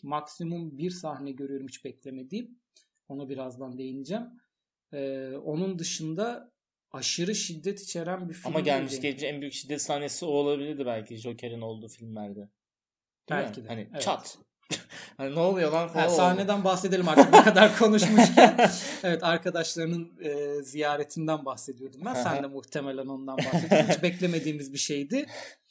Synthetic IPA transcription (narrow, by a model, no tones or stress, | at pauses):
maksimumbiɾsahnɛɟø̞ɾyjo̞ɾumi̥t͡ʃbɛclʲemed̪im̚ | o̞nabiɾazd̪and̪e̞jinid͡ʒæm | ɛːo̞nund̪ɯʃɯnd̪a | aʃɯɾɯʃid̪ːɛt̪ʰi̥t͡ʃʰe̞ɾænbifiaimaɟælʲmiʃɟɛt͡ʃmiʃænbyjycʃid̪ːɛt̪sahnesioolˠabilʲiɾd̪ibælʲcʰiʒo̞cʰeɾino̞lˠd̪uːfilʲmlʲæɾd̪ɛ | b̪̥ælʲcʰid̪ɛanievt͡ʃɛat̪ | haninɛolˠujolˠanfsaːhned̪ænbaxse̞d̪e̞lʲimaɾakʰad̪aɾkʰo̞nuʃmuinevɛt̪aɾkad̪aʃlˠaɾɯnɯnɯːzijaːɾet̪ʰind̪ænbaxse̞d̪ijo̞d̪umbænsænd̪ɛmuxt̪ʰemelʲæno̞nd̪anbahseʃbɛclʲe̞me̞d̪iːmizbiʃe̞jd̪ɪ